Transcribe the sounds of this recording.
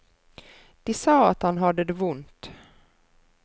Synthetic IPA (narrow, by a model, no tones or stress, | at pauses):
d̪̥ɪsɑːat̪hanɦad̪əd̪ɛvʊnt̪